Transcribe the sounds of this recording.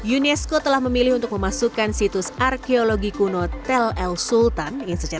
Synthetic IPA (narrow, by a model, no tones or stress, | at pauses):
junɛskot̪əlahməmilɪhunt̪ʊk̚məmasukansit̪ʊsarkeoloɡikunot̪ɛlɛlsult̪anjaŋsət͡ʃa